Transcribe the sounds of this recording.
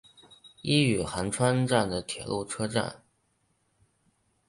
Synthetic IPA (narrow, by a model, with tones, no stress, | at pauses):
i˥y˨˩xa˧˥nʈ͡ʂʰwa˥nʈ͡ʂa˥˩nd̪ə˩t̪ʰjɛ̰˨˩lu˥˩ʈ͡ʂʰɤ˥ʈ͡ʂa̰˥˩n